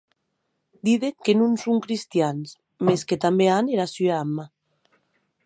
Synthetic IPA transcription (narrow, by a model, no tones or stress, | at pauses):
d̪iðeŋkenunsuŋkɾist̪jans | mesket̪ambeaneɾasyeamːa